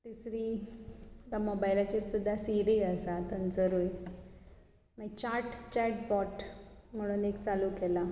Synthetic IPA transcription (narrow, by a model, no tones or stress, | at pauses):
t̪isɾiː | t̪amobajlat͡ɕeɾsud̪ʱːasiɾiəsat̪ənd͡zəɾuj | mait͡ɕaɾʈt͡ɕɛʈpɔʈm̤əɽ̃uːnekt͡saluːkɛla